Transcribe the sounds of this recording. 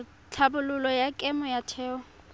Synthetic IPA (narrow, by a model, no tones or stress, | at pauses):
t͡ɬʰabʊlʊlɔjakʼɛmɔjatʰɛːɔ